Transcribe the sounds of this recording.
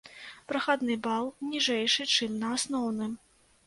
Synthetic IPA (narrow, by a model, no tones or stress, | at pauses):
pɾɐxad̪nɨbalˠnʲiʐɛjʂɨt͡ʂɨmnɐasnɔwnɨ